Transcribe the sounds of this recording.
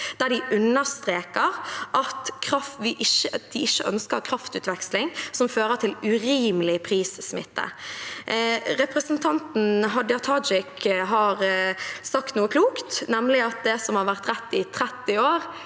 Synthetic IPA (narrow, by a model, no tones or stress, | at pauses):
d̪̥æɖɪʔʉnːəst̪ɾeːkəʁʔɑt̪kʰɾɑfʋɪʔɪʃəd̪̥ɪɪʃːəʔœnskəɾkʰɾɑft̪ʉːt̪ʋɛkslɪŋsɔmføːɾət̪ʰɪlʉɾiːmlɪpʰɾiːssmɪt̪ːə̰ | ɾɛpɾəsənt̪ʰɑnt̪n̩ɦɑd̪ɪɑt̪ʰɑd͡ʒɪkɦɑʁsɑkt̪nuːəkʰluːkt̪nɛmːlɪɑt̪̚d̪ɛsɔmhɑɾʋæʁt̪ɾɛt̪ːɪt̪ʰɾɛt̪ːɪoːɾ